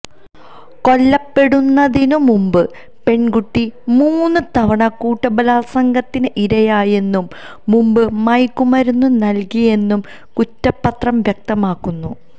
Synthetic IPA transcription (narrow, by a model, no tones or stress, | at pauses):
ko̞lːɐpːe̞ɽunːɐðinumumbɨ | pe̞ɳɡuʈːimuːnːɨt̪ɐʋɐɳɐkuːʈːɐbɐlaːlsɐŋɡɐt̪ːinɨʔiɾɐjaːje̞nːumː | umbɨmɐjkːumɐɾunːunɐlkije̞nːum | kutːɐpːɐt̪rɐmʋjɐk̚t̪ɐmaːkːunːu